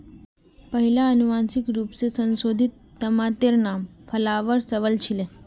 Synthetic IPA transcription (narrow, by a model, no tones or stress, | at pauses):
pəɦiljaənuʋansikɾupsesə̃nsod̪ʱit̪ːəmat̪eɾnamfəlaʋəɾsəʋəlt͡ɕʰile